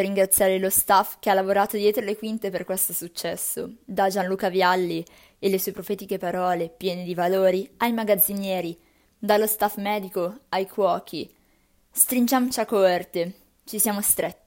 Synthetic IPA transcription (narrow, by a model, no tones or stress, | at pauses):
rːiŋɡɾat̪sjaːɾelost̪afk̟ealːavoɾaːt̪od̪jɛːt̪ɾolekwint̪eperkwest̪osut͡ʃːɛsːod̪ad͡ʒanluːkavjalːi | elːesuepɾofɛːt̪ikepaɾɔːlepjɛːned̪ivaloːɾiajmaɡad̪zːinjɛːɾi | d̪alːost̪afmɛːd̪ikoajkʰwɔːkʰi | st̪ɾind͡ʒamot͡ʃakort̪e | t͡ʃisjaːmost̪ɾet̪ːi̥